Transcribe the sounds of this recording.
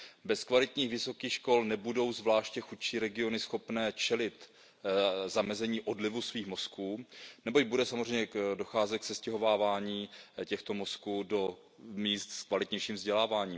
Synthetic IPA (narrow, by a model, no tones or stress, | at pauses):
bɛskvalɪt̪ɲiːxvɪso̞kiːxʃko̞lnɛbudo̞wzvlaːʃcɛxut̪ʃiːɾɛɡɪo̞nɪsxo̞pnɛːt͡ʃɛlɪt̪ | zamɛzɛɲiːʔodlɪvusviːxmo̞skuːnɛbo̞c̚budɛsamozr̝ɛjɲɛdo̞xaːzɛt̪̚ksɛscɛɦo̞vaːvaːɲiːcɛxt̪o̞mo̞skuːdo̞ | miːst̪skvalɪt̪ɲɛjʃiːmvzɟɛlaːvaːɲiːm